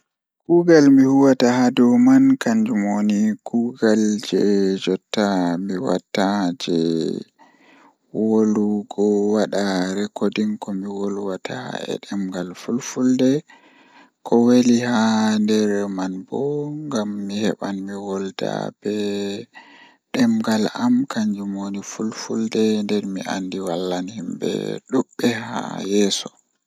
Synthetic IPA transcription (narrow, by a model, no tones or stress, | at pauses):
kuɡalmihuwatahadɔmankaɲd͡ʒumonikuɡald͡ʒɛd͡ʒɔtːamiwa̰tːad͡ʒɛ | woluɡɔwaɗaɾɛkodinkɔmiwoluwatʰa̰ɛ̰ɗɛmɡalfulfuldɛ | kʰɔwelihandɛɾɛmanbɔŋɡamːihɛ̰ɓanmiwɔlta̰b̥ɛ | ɗɛmɡalamkaɲd͡ʒumonifulfuldɛndɛɾmiʔa̰ndiwalːanhimbɛ̰ɗuɓːɛha̰jɛsɔ